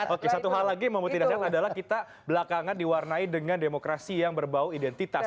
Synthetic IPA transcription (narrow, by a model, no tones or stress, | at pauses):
ʔokesat̪uɦalːaɡiməmbut̪idasat̪adalahkit̪a | bəlakaŋandiwarnaidəŋandemokɾasijaŋbərbawuidɛnt̪it̪as